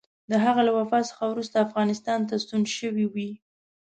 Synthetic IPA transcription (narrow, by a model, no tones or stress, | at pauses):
d̪əɦaɣalawafɑsə̥xawɾust̪aːfɣɑnɪst̪ɑnt̪ast̪unʃəwiwi